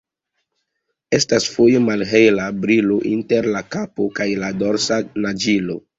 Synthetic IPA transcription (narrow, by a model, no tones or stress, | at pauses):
e̞stasfojemalɦe̞jlabɾilo̞ʔinte̞ɾlakapo̞kajlado̞ɾsanad͡ʒilo̞̰